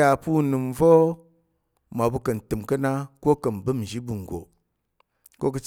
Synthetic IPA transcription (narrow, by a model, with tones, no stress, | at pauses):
a˨pu˦nɨ˨mvo˦ | ma˨bu˧kə˨n˨tɨ˨mkə˦na˦ko˦kə˨nbɨ˦m˨ʒi˦bɨ˨ŋ˨ɡʷo̰˨ | ko˦kɨ˧t͡ʃ